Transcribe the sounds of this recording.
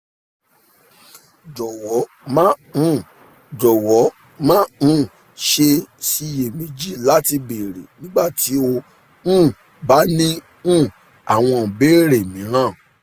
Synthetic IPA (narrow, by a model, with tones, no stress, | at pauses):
d͡ʒɔ˨wɔ˨˦ | mã˦ũ˦˨ | d͡ʒɔ˨wɔ˨˦ | mã˦˨ | ʃe˧si˧je˨mĩ˨˧d͡ʒi˦˨la˦ti˧be˨ɾḛ˨nĩ˦ɡ͡ba˦˨ti˨˦o˧ | ñ̩ː˦˨ | ba˨˦nĩ˦ | ũ˦˨ | a˨w̃ɔ̃˧˨be˦ɾe˨mĩ˨˦ɾ̃ã˦˨